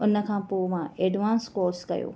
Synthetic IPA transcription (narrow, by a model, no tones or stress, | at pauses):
ʊnə̆kʰãːpoːmãʔeːɖʋãːnskɔːskɐ̰jo̰ː